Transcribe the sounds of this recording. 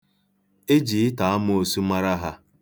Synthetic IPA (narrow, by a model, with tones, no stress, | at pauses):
e˦d͡ʒi˨ɪ˦ta˨a˦mʊ˦o˨su˦ma˦ɾa˦ɦa˦